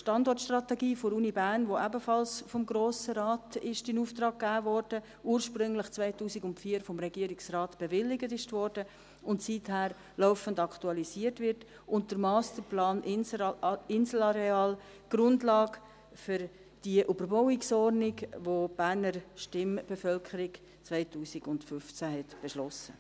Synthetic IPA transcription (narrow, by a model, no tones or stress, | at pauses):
ʃtɑndɔrtʃtrɑtɛɡiːfoɾuːnibæːɾnʋoæbəfɑlsfɔmɡɾoːsəɾɑːtɪʃtɪnuːftrɑːkːæːvɔɾd̥ə | uːɾʃpɾʏŋlɪχt͡svaɪtuːsiɡʊntfiːəɾfɔmɾɛɡiəɾiksrɑːtb̥ɛvɪlːɪɡətɪʃtvɔrdə | ʊntsithæːɾ | lɔʊfəndɑktuɑlisiərtvɪɾt | ʊnt̚dəɾmɑːst̪əɾplɑːn | ɪnsl̩ɑɾeɑːl | ɡ̥ɾʊndlɑːɡ | fʏɾ | d̥iʔybəɾbɔʊɪksɔɾniɡʋob̥æːɾnəɾʃtɪmb̥efœlkʰəɾik | t͡svaɪtuːsiɡʊntfʏft͡sæɦɛtb̥ɛʃlɔsə